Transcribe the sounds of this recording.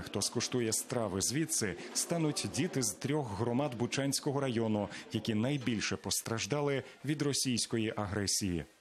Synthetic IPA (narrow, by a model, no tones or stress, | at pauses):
xt̪ɔskɔʃt̪ujɛst̪ɾɑʋɪzʲʋʲit̪sɪst̪ɑnʊtʲdʲit̪ɪzt̪ɾʲɔxɦɾɔmɑd̪bʊt͡ʃɑnʲsʲkɔɦɔɾɐjɔnʊjɐkʲinɐjbʲilʲʃɛpɔst̪ɾɐʒd̪ɑlˠɪ | ʋʲid̪rɔsʲijsʲkɔjiʔɐɦɾɛsʲijḭ